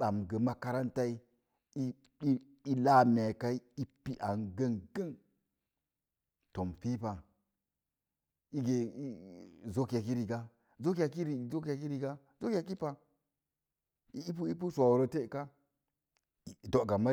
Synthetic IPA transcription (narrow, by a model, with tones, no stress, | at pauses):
ɓa˨mɡe˨ma˦ka˦ɾa˦nta˦i˦ | i˦ | i˦la˦me˨ka˦i˦i˦pi˦ʔa˨nɡe˦nɡə˦n | to˨mfi˦pa˨ | i˦ɡe˨i˦˨zo˦ka˨k̬i˦ɾi˨ɡa˦ | zo˦k̬i˦ja˨ki˦ɾi˨zo˦k̬ja˨ki˦ɾi˦ɡa˦ | zo˦kʲa˨ki˦pa˨ | i˦pu˦i˦p̬u˦sʷa˨wo˨ɾo˨te˦˨ka˦˨ | do˨ɡa˨ma˦